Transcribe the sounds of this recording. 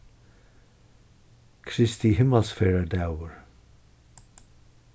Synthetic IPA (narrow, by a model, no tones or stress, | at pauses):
kʰɾɪst̪iɦɪmalsfɛɹad̪awəɹ